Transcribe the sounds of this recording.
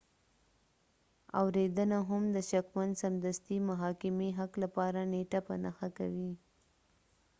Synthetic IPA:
a̰wɾed̪ənaɦamd̪əʃakmand̪samd̪ast̪imʊɦɑkɪmiɦaklapɑɾaneʈapə̰na̰xaka̰wi

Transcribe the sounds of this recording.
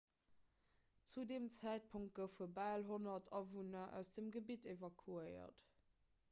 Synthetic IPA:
t͡sudeːmt͡sæɪt̚pʰuŋt̚ɡ̥əfəbæːlɦonɐtʰɑvunɐʔæ̰ʊsd̥əmɡəbitevɑkʰuəɪɐ̰t

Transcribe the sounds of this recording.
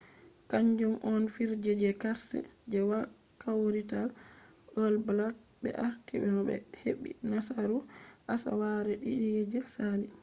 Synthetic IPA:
kaɲd͡ʒumʔɔnfiɾd͡ʒɛd͡ʒɛkaɾsɛ̰d͡ʒɛwa | kawɾitalʔəlblak̚bɛ̰ʔaɾtiɓɛnɔɓɛ̰heɓːḭnasaɾuʔasa̰waɾɛɗiɗijɛd͡ʒɛsali

